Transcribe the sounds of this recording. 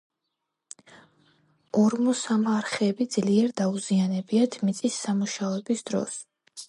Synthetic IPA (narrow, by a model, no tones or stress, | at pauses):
ɔɾmɔsamaɾχɛːbid̪z̥liɛɾd̪auzianɛbiat̪ʰmit̪sʼisːamuʃaɔɛbisd̪ɾɔ̰s